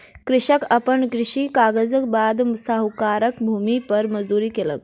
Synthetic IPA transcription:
kɾɪɕəkəpəɳkɾiɕikaɡəd͡zəkbad̪msaɦukaɾəkbʱumipəɾməd͡zd̪uɾiːkelə̰k̚

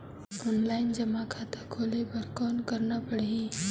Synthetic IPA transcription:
ɔːnlaːɪnd͡ʒɐmakʰaːt̪akʰoːlebəɾkɔːnkɐɾnapəɽ̤i

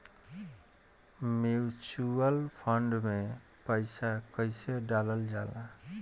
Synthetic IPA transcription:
mjut͡ʃuəlpʰʌɳɖme | pəɪsakʌɪseɖaləld͡ʒala

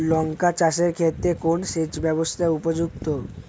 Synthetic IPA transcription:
lɔŋkat͡ɕaʃeɾkʰet̪ːɾekonʃet͡ɕbɛbost̪ʰaupod͡ʑuk̚t̪o

